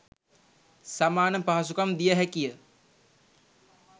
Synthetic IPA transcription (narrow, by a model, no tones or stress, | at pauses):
samaːnəpaɦasukamd̪ijəɦækijə